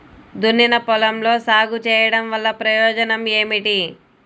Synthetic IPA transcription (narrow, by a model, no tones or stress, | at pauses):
d̪unːinɐpɔlɐmlo̞ːsaːɡut͡ʃɛːjɐɽɐmʋɐlːɐpɾɐjɔːd͡ʒɐnɐme̞ːmiʈi